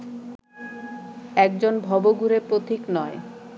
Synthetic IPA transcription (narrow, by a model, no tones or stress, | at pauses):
ɛk̚d͡ʑonbʱɔboɡuɾepɾot̪ʰiknɔe